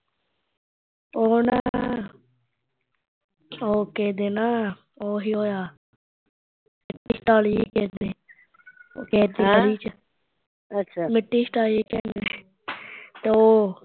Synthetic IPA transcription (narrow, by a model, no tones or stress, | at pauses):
oːna̰ː | oːkɛːd̪eːnaː | oːɦiːoːjaː | mɪʈːiːsʈaːliːeːkɛːd̪eː | o̰kɛːd̪iːəɾiːt͡ʃə | ətːʃʰamɪʈːiːsʈaːleːkɛ̃ːnd̪eː | t̪eoː